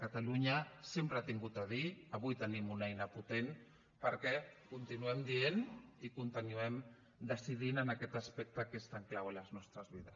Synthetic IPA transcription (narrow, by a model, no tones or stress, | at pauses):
kat̪aluɲasempɾat̪iŋɡut̪aðiaβujt̪ənimunɛjnaput̪en | pəɾkɛkunt̪inuɛmd̪ienikunt̪ənuɛm | d̪əsiðinanakɛt̪aspɛk̚t̪akeest̪aŋklawalaznɔst̪ɾəzβiðəs